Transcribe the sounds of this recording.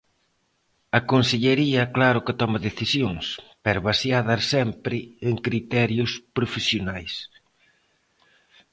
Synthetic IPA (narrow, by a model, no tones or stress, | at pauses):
ɐkonseʎeɾiɐklaɾʊkɪt̪ɔmɐðeθisjoŋspɛɾβasjaðasɛmpɾɪeŋkɾit̪ɛɾjʊspɾofesjonajs